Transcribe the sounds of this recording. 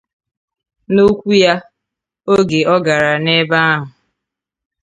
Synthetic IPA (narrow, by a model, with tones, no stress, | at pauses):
no˦kʷu˦ja˦ | o˦ɡe˨ɔ˦ɡa˨ɾa˨ne˦ba˦a˦ɦʊ˨